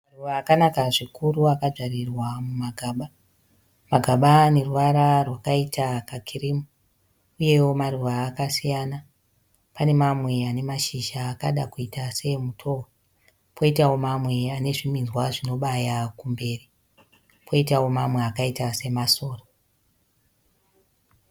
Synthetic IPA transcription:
maruʋaːkanakaʐikuɾuakad͡ʒarirwamumaɡʱaːɓa | maɡʱaɓane̞ruʋaɾarwakaitʰakakʰiriːmu | uje̞wo̞maruʋaːkasijaːna | pane̞mamwe̞ane̞maʃiʒaːkaɗakuitase̞mutʰo̞wo | pʰo̞itawo̞mamweane̞ʐiminzwaʐino̞ɓajakumbe̞ːri | pʰo̞itawo̞mamwe̞akaitase̞maso̞ːro

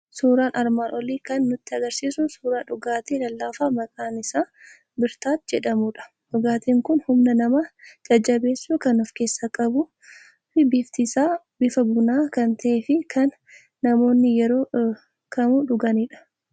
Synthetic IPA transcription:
suːɾaːnʔɐɾmaːnʔɔliːkɐnːʊt̪ːɪɐɡɐɾsiːsʊsuːɾaːᶑʊɡaːt̪eːlɐlːaːfaːmɐkʼaːnɪsaː | bɪɾt̪aːt̪d͡ʒɛᶑɐmuᶑɐ̥ | ʔɔɡaːt̪iːŋkʊnhʊmnɐnɐmad͡ʒɐd͡ʒːɐbe̞ːsːuːkɐnɔfke̞ːsːakʼɐbʊ | fɪbiːft̪ɪsaː | bɪfɐbʊnaːkɐnt̪ɐʔeːfɪkʰɐnː | ɐmo̞ːnːɪjɛɾo̞ː | kʰɐmuᶑʊɡɐniːᶑɐ̥

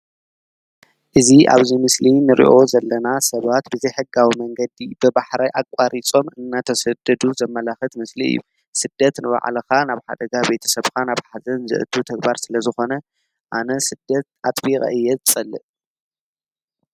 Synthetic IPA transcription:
ʔɨziʔa̰βzimɨslinɨɾʔḭʔo̞zɐlːɐnasɐβat̪bɨzɐjħɨɡawimɐŋɡɐd̪ibɨbaħɾajʔakʼaɾʔit͡sʼo̞mɨnːat̪ʰɐsɐd̪ɐd̪uzɐmːɐlaxɨt̪mɨsliɨ̰jːṵ | sɨd̪ːɐt̪nɨβa̰ʕ̰lɐxanaβħa̰d̪ɐɡabe̞t̪ʰɐ̥sɐβkʰanaβħazɐnzɨ̰ʔɨt̪ʰut̪ʰɐɡbaɾsɨlɐzɨxo̞nɐ | ʔanɐsɨd̪̥ːɐt̪at̪ʼbiqʼɐ̰ʔɨjːɛzʰt͡sʼɐlːɨʔ

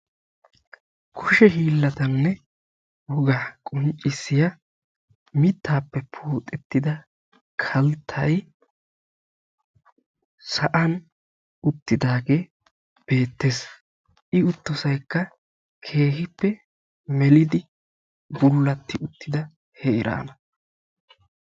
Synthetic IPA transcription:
kʰʊʃɛɦiːlːɐt̪ɐnːɛ | wɔɡaːkʼɔnt͡ʃʼːɪsːɪjɐ | mɪt̪ːaːpːɛpʰuːt̪ʼɛt̪ːɪd̪ɐ | kʰɐlt̪ʰːɐj | sɐʔɐn | ʊt̪ːɪd̪aːɡe̞ː | b̥e̞ːt̪ːe̞ːs | ʔɪʊt̪ːɔsɐjkːɐ | kʰe̞ːhɪpːɛ | mɛlɪd̪ɪ | bʊlːɐt̪ːɪʊt̪ːɪd̪ɐ | hɛɪɾa̰ːnɐ

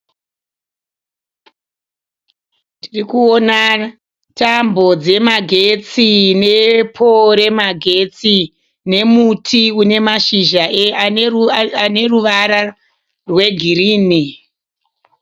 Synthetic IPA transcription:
tirikuona | tambo̞d͡ze̞maɡʱe̞t͡sine̞pʰoɾe̞maɡʱe̞t͡si | ne̞mutʰiune̞maʃiʒae | ane̞ruʋaɾa | rwe̞ɡʱiriːni

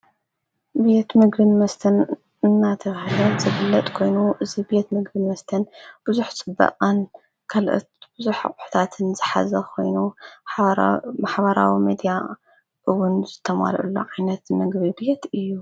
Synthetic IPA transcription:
be̞t̪mɨɡbɨnmɐst̪ʰɐn | ɨnːat̪ʰɐhɨlɐnzɨbɨlːɐt̪ʼkʰo̞jnuʔɨzibe̞t̪mɨɡbɨnmɐst̪ʰɐnb̥ɨzuħt͡sʼɨbːɐ̰ʔʼan | kʰalʔo̰t̪b̥ɨzuħa̰qʼʊ̥ħt̪ʰat̪ʰɨnz̥ɨħa̰zɐkʰo̞̰jnu | maħbɐɾa̰wimed̪ja | ʔɨwʊnzɨt̪ʰːɐma̰lʔṵlːoʔajnɐt̪mɨɡbibe̞t̪ɨjːu

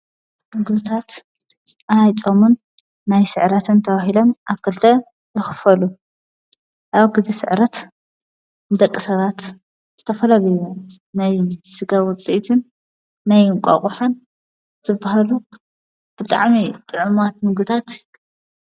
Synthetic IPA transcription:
mɨɡɨβt̪ʰat̪ | ajt͡sʼomunː | ajsɨʕɾɐt̪ʰɨnt̪ʰɐβahilomʔaβkʰːɐlt̪ʰɐ | jɨxɨ̥fɐlu | ʔaβɡɨzisɨ̰ʕɾɐt̪ | nɨd̪ɐkʼːɨsɐβat̪ | z̥ɨt̪ʰɐfɐlɐlɐjunajsɨɡawʊt͡sʼiʔt̪ʰɨnː | ajkʷʼa̰χʼuħan | zɨbːahalu | b̥ɨt̪ʼa̰ʕmit̪ʼɨʕumat̪mɨɡɨt̪ʰat̪

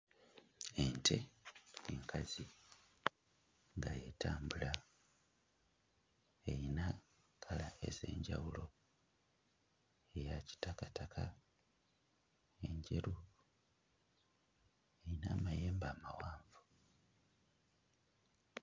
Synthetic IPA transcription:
e̞ntʰe̞eŋkʰazi | ŋɡaje̞tʰaːmbula | ejina | kʰalae̞̰ze̞̰ːɲɟa̰wulo̞ | ejaci̥takatakʰa | e̞ɲɟe̞ɾu | e̞jinaːmaje̞ːmbamawaːɱvu

